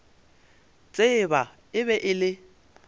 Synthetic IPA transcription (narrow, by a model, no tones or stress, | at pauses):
t͡sʼeba | ɪbɛʔɪlɪ